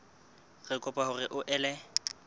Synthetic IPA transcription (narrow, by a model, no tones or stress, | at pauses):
ɣɪkʼʊpʼahʊrɪʔʊʔɛːlɛ